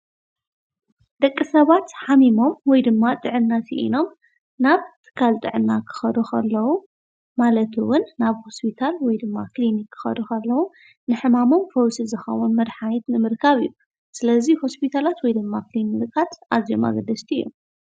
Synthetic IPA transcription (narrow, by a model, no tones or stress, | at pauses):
d̪̥ɐkʼːisɐβat̪ħamimo̞mwɔjd̪ɨmːat̪ʼɨʕɨnːasiʔḭno̞m | naβt̪ʰɨ̥kʰːalt̪ʼɨʕɨnːakʰɨ̥xɐd̪uxʰɐlːɐwu | malɐt̪ʰuwʊnːaβho̞spʰit̪ʰalwɔjd̪ɨmːaklinikʰːɨ̥xɐ̰d̪uxɐlːɐwu | nɨħɨmamo̞mfɐwsizɨxɐ̰wunmɐd̪ħanit̪nɨmɨɾkʰaβɨjːu | sɨlɐziho̞spʰit̪ʰalat̪wɔjd̪ɨmːaklinikʰʼat̪ʔazio̰ma̰ɡɐd̪ɐst̪ʰiḭjːṵ